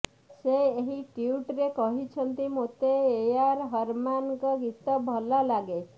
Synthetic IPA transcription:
seːɦiʈiuʈɾekɔɦit͡ʃʰənt̪imot̪eːjaɾɦəɾmankɔɡit̪ɔbʱɔlalaɡe

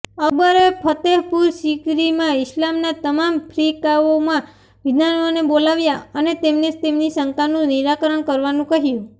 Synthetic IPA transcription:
əbəɾepʰət̪eɦpuɾʃikɾimãɪslamnat̪əmampʰɾikaomã | ʋid̪anʋonebolaʋjaənet̪emned͡ʒt̪emnisəŋkanũniɾakəɾəɳkəɾʋanũkəɦjũ

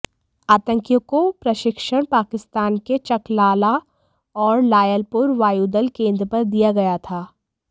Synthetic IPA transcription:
aːt̪ə̃ŋkjõkopɾɐʃɪkʃəɽ̃paːkɪst̪aːnket͡ʃɐklaːla | ɔːɾlaːjəlpʊɾʋaːjuːd̪əlkẽːnd̪ɾəpɐɾd̪ijaɡɐjat̪ʰaː

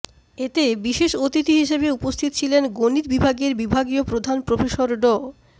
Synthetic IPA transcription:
et̪ebiʃeʃot̪it̪iɦiʃebeupost̪ʰit̪o̥t͡ɕʰilenɡonit̪̚bibʱaɡeɾbibʱaɡiopɾod̪ʱanpɾofeʃoɾɖo

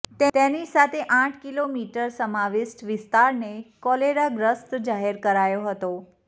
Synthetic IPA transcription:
t̪et̪enisat̪ʰeʔãʈʰkilomiʈəɾsəmaʋɪsʈʋɪst̪aɾnekɔleɾaɡɾəst̪d͡ʒaɦeɾkəɾajoɦət̪o

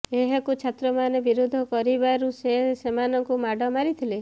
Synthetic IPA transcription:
eɦekut͡ʃʰat̪ɾɔmanebiɾud̪ʱɔkɔɾibaɾusesemanɔŋkumaɖʱɔmaɾit̪ʰile

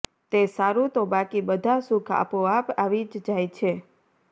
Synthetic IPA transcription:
t̪esaɾut̪obakibəd̪ʱasukʰa̰poapaʋid͡ʒd͡ʒajt͡ʃʰe

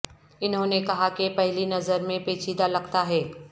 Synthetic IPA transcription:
ɪnɦõːnekɐɦakepɐɦɪlinɐzəɾmẽpeːt͡ʃʰiːd̪alɐɡt̪aɦɛː

